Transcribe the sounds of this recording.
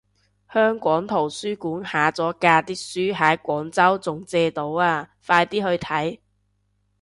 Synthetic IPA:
hœː˥ŋkʷɔː˨˥ŋt̪ʰo˨˩wsyː˥kuː˨˥nhaː˨˥t͡sɔː˨˥kaː˧t̪iː˥syː˥ɦaː˨˥kʷɔː˨˥ŋt͡sɐ˥wt͡sʊ˨ŋt͡sɛː˧t̪o˨˥waː˧faː˧jt̪iː˥hɵ˧ɥt̪ʰɐ˨˥j

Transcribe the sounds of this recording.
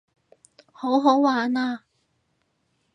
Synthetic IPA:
ho˨˥wɦo˨˥wwaː˨˥naː˧

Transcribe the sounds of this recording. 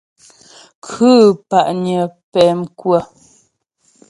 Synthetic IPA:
kʰʉ˦pa˨ʔɲə˨pɛ˨mkwə˦˨

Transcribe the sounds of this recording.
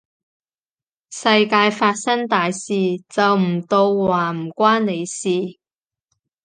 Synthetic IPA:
sɐ˧jkaː˧jfaː˧t̚sɐ˥ŋt̪aː˨jsiː˨t͡sɐ˨wm̩˨˩t̪o˧wwaː˨˩m̩˨˩kʷaː˥nne˨˧jsiː˨

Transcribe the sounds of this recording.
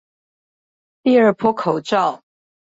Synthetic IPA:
t̪i˥˧ə˞˥˩pʰwɔ˥kʰo˨˩ʊʈ͡ʂɑ˥˩ʊ

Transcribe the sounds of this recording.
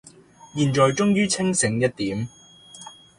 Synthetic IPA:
jiː˨˩nt͡ʃɔː˨jt͡ʃʊ˥ŋjyː˥t͡sʰɪ˥ŋsɪ˨˧˥ŋjɐ˥t̚t̪iː˨˥m

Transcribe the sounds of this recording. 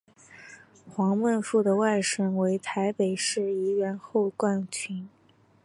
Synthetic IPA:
xwɑ˧˥ŋmə˥˧nfu˥˩d̪ə˩wa˥˩ɪʂə˥nwe˧˥ɪt̪ʰa˧˥ɪpe˨˩ɪʂɻ̩˥˩i˧˥ɥɛ˧˥nxo˥˧ʊkwa˥˩nt͡ɕʰy˧˥n

